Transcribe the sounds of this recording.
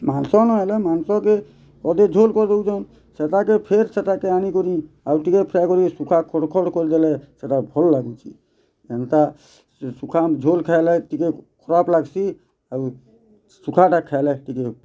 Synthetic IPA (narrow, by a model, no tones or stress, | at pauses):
mansɔnɔɦelɛmansɔke | kɔd̪ed͡ʒʱolkɔɾd̪eud͡ʒɔn | sɛt̪akepʰeɾsɛt̪akeanikɔɾĩ | auʈikepʰɾajkɔɾisukʰakʰɔɽkʰɔɽkɔɾd̪elɛset̪abʱɔlːaɡut͡ʃʰi | ent̪a | sukʰamd͡ʒʱolkʰajlɛtikekʰɔɾaplaɡsi | au | sukʰaʈakʰːalɛʈike